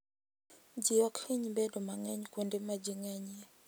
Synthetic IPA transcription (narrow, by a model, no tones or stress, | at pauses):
d͡ʒijɔkʰiɲbɛdɔmaŋɛɲkondimad͡ʒiŋɛɲɛ